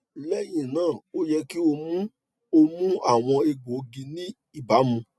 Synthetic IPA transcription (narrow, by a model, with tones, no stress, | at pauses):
lɛ˦˨j̃ĩ˦˨nãː˦˨o˦jɛ˦ki˦o˧mũ˦ | o˧mũ˦a˦˨w̃ɔ̃˧e˧ɡ͡bo˨˦ɡĩ˧nĩ˦ | i˦˨ba˨˦mũ˧